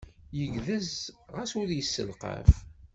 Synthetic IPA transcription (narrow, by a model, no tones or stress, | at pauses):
jəʝðəzʁæsʊɾjəsːə̰lqə̰f